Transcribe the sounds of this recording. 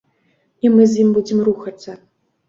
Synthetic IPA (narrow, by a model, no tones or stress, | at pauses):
imɨzʲjimbud͡zʲimruxɐt̪sːɐ